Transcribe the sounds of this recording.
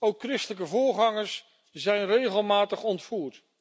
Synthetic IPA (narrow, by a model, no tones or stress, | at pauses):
owkːrɪstələk̬əvʊːɹχɑŋəɹs | zɛjnrejχəlˠmaːtəχɔntfuːɹt